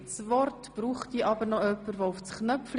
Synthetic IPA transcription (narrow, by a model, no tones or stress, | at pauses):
svɔrtb̥ɾuːχtiʔɑbəɾnɔœpːəɾʋoufsknœfl